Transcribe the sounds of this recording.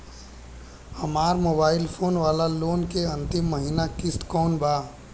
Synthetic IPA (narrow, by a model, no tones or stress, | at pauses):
hɐmaːɾmoːbaːɪlpʰoːnʋaːlaloːnkeɐ̃nt̪ɪmːəɦiːnakɪst̪kɔːnbaː